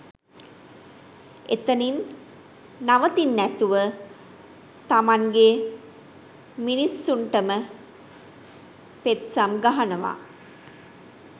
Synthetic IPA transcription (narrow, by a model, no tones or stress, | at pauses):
et̪ənin | naʋət̪inːæt̪uʋə | t̪amaŋɡe | minisːuɳʈəmə | pet̪samɡaɦanəʋa̰